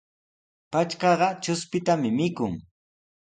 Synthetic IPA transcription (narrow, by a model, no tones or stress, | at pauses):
pat͡ʃkɑɢɑt͡ʃʊspɪt̪amɪmɪkʊŋ